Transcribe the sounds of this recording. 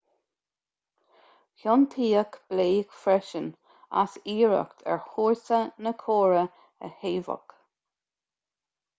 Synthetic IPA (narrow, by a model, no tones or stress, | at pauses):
hɔnt̪ʰiːəkb̥leːkfɾɛʃən | a̰siːɹə̰kt̪ʰɛ̰ɹhuːɹsənəkʰoːɹə | ə̰heːvə̰k